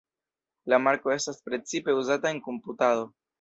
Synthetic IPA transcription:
lamaɾko̞e̞staspɾe̞t͡sipe̞uzatae̞ŋko̞mputaðo̞

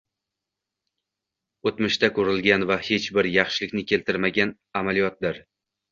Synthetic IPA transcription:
ot̪mɪʃt̪ʰakʰɵɾɪlˠɡʲanvahe̞t͡ʃbɪɾjɑχʃɪlɪkʲnɪkʲʰe̞lt̪ʰɪɾmaɡʲan | amalˠijɒt̪̚d̪ɪɾ

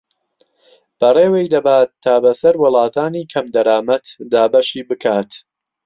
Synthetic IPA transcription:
b̥ɐreːwejd̪ɐbaːt̪ʰːaːbɐsɐɾwɨlˠɑːt̪ʰaːniːkʰɐmd̪ɐɾaːmɐt̪d̪aːbɐʃiːbɨkʰaːt̪

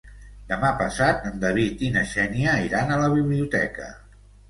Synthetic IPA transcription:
d̪əmapəsat̪ənd̪əβ̞it̪inəʃɛniəiɾanələβ̞iβliut̪ɛ̰kə̰

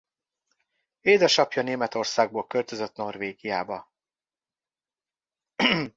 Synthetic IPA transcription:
eːd̪ɛʃɒpjɒneːmɛt̪o̞rsaːɡ̚boːlkølt̪ø̞zøt̪no̞rveːɡijaːbɒ

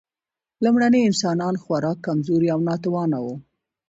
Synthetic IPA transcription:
lumɽaneɪnsɑnɑnxwaɾɑkːamzoɾiawnɑt̪ʊwɑnawu

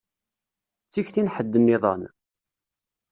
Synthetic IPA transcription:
t͡sːiçθinħəd̪ːənːiðˤɑ̰n

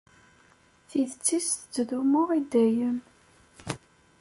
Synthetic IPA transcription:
θiðt͡sːisθət͡sːðumʊʁid̪æjən

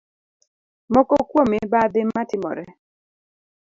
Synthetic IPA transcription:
mɔkɔkwomɪbad̪ɪmːatɪmɔ̰ɾɛ

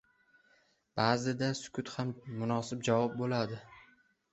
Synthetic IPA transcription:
b̥aːzɪd̪asʊ̥kʲʰʊt̪hammʊnɒsɪp̚d͡ʒavɒp̚bolad̪ɪ

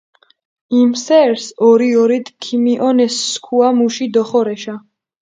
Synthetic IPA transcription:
imsɛɾsɔɾiɔɾit̪ʰkʰimiʔɔnɛsːkʰuamuʃid̪ɔχɔɾɛʃa

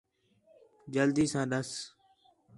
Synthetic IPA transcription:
d͡ʒəld̪iːsãːɗ̪əs

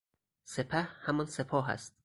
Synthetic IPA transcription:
sepʰæhhæmɒnsepʰɒːɦæ̰st̪̚

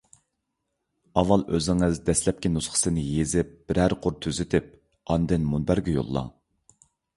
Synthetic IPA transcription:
ɑvːɑlˠʔøzɪŋɨzd̪ɛslɛp̚kʲinusχʰə̥sɨnɪjezɪp̚b̥ɪɾæɾqʰʊɾt̪ʰøzɪt̪ʰɪp̚ | ɑnd̪ɪnmunbæɾɡʲɛjo̰lˠːɑ̰

